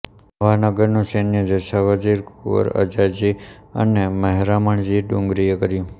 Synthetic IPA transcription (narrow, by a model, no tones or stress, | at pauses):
ʋanəɡəɾnõsenjəd͡ʒəʃaʋad͡ʒiɾkuʋə̰ɾə̰d͡ʒad͡ʒi | ə̰neməɦɾaməɳd͡ʒiɖũŋɡɾijəkəɾjũ